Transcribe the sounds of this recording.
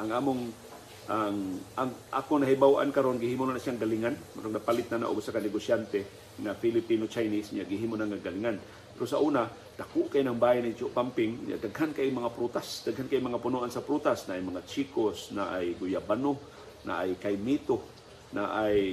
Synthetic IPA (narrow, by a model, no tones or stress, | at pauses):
ʔaŋʔaːmʊŋ | ʔaŋʔaŋʔa̰ːkoŋnɐɦibawʔa̰nkaɾonɡɪhiːmʊnanasjaŋɡaliŋanmaɾoŋnapalɪt̪̚nana̰ʔo̰ɡsakanɪɡosjant̪ɛ | ŋafilɪpinot͡ʃajnisɲaʔɡɪɦiːmonaŋaɡalɪŋan | pɛɾosaʔuːna | d̪akʊʔkaʔjnaŋbaːhinit͡ʃʊʔpampɪŋɲa̰d̪aɡɦankajmɐŋapɾut̪asd̪aɡhankajmɐŋapʊnuʔansapɾut̪asnaʔːjmɐŋat͡ʃikosnaʔajɡʊjabano | na̰ʔajkajmit̪o | naʔaj